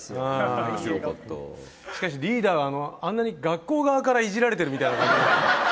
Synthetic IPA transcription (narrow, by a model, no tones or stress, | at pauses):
aː | t̪ːo̰ | ɕi̥kaɕ̬iɾʲiːd̪aːɡaːno̞ãnːaɲ̟iɡakːo̞ːɡaβakaɾaiʑiɾaɾe̞t̪eɾɯ̟mit̪ainakãɲd͡ʑie